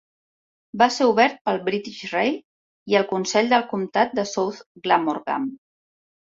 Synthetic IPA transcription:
baseuβɛɾt̪̚pəlˠβɾit̪iʃrej | iəlˠkunsɛʎd̪əlˠkumt̪at̪̚d̪əsowt̪ɡlamoɾɣa̰m

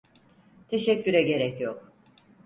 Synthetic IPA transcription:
t̪ʰe̞ʃɛcʲːyɾɛɟe̞ɾɛcjok̚

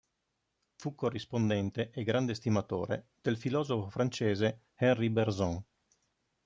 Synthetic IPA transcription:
fukːorːispond̪ɛnt̪eʔeɡɾand̪est̪imat̪o̰ːɾḛd̪̥elfilɔːzofofɾant͡ʃeːze | hɛnriberzɔŋ

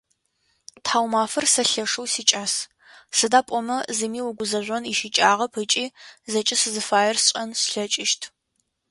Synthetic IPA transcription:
tħaːwmaːfɐrsɐɬɐʂɨwsiːt͡ʃʼaːs | sɨdaːpʼɔmɐzɨmiːwʊɡʷʊzɐʒʷɔniʃit͡ʃʼaːʁɐpʰɨt͡ʃʼiːzɐt͡ʃʼɪsɨzɨfaːjɛrsɕʼɐnsɬɐt͡ʃʼɪʃtʰ

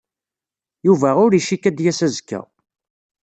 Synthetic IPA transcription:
juvæʊɾiʃikæd̪jæsæzkːæ̰

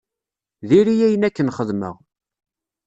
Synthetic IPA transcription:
ðiɾijæjənækːənχəðmə̰ʁ

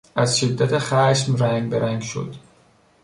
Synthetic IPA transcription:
æzʃed̪ːæt̪ʰexæʃmɾæŋɡbeɾæŋɡʃo̰d̪

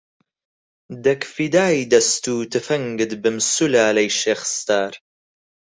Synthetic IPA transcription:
d̪ɐkfid̪aːjd̪ɐst̪uːt̪ɨfɐŋɡɨd̪bɨmsulaːlɐjʃeːxə̥st̪aːɾ

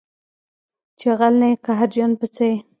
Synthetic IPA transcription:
t͡ʃeɣalnekaɦaɾd͡ʒanpət͡se

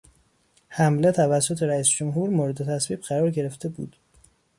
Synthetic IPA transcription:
hæmle̞t̪ʰævæsːot̪ʰe̞ɾæiːsd͡ʒomɦuːɾmoɾe̞d̪e̞t̪ʰæsviːbɢæɾɒːɾɟe̞ɾe̞ft̪e̞bṵːd̪̥

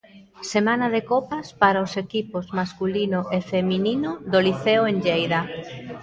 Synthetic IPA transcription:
semanaðekɔpaspaɾaosekipozmaskulinʊʔefemininʊðoliθeoenʎejða

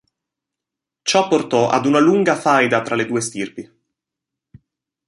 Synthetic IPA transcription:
t͡ʃɔpːort̪ɔʔa̰d̪unaluŋɡafajd̪at̪ɾʔaled̪uːest̪irpi

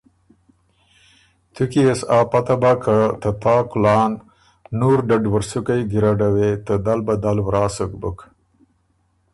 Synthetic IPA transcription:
t̪ʰukiesɑːpat̪abakʰat̪ət̪aːkʊlɑːnː | uɾɖaɖwaɾsukajɡiɾaɖawet̪əd̪albad̪alwɾɑːsəkbuk

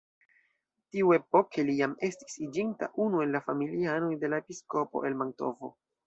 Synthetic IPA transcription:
tiue̞po̞kʰe̞lijame̞sti̥sid͡ʒinta̰ʔunue̞nlafamiliano̞jde̞laepisko̞poʔe̞lmaŋto̞̰vo̞̰

